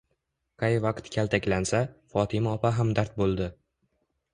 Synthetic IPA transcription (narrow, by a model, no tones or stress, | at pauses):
qʰɑjvɑqt̪kʲʰalt̪ʰakʲlansafɒt̪ʰɪmaɒpaɦamd̪aɾt̪̚bolˠd̪ɪ